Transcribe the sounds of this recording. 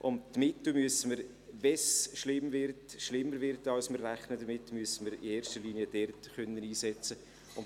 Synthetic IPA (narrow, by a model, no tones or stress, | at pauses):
ʔʊntːmɪtl̩myəsəməɾ | vɛsʃlɪmvɪɾtʃlɪmːəɾvɪɾtɑlsmərræχnədəɾmɪtːmyəsəməɾɪ̰eːɾʃtəɾliːniədɛrtχœnːəniːsɛt͡sə | ʊn